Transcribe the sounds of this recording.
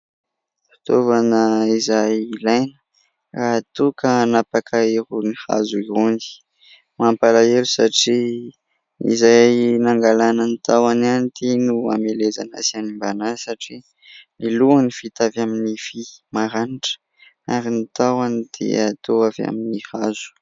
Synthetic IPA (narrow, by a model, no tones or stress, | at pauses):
fi̥t̪ovanəizajilajnə̥ | rat̪ukənapakʰaeɾuniha̰zuiuni̥ | mampalaelusaʈ͡ʂi | ḭzajnaŋɡalanənit̪awananit̪enua̰melezana̰sianimbanasaʈ͡ʂi | niluanifit̪avaminifimaɾaniʈ͡ʂə̥ | aɾinit̪awanid̪̥ḛat̪oava̰minihazu̥